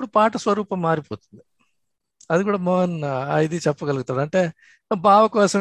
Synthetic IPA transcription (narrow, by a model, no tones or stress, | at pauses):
ɽupaːʈɐsʋɐɾuːpɐmːaːɾipoːt̪ɐ̥nd̪ɨ | ɐðukuːɽɐmɔɦɐnɐjd̪it͡ʃɐpːukɐlkut̪ːɐðaːɳʈe | baːʋɐkoːsɐ